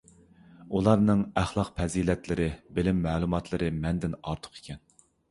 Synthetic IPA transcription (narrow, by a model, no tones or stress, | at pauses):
ulˠɑɾnɨŋæχlˠɑqpʰɛziːlɛt̪lɪɾɪbɪlɪmːɛːlˠumɑt̪lˠɨɾɨmɛnd̪ɪnɑɾt̪ʰʊ̥qʰe̥kʲʰɛn